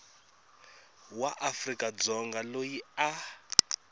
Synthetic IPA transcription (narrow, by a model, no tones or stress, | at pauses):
waʔafrikʼad͡zɔŋɡalojia